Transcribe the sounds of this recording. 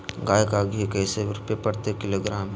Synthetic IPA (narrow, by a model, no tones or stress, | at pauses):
ɡaːjəkaːɡekɐɪseʋɾʊpepɐɽt̪ekɪloːɡɾaːmɦɛ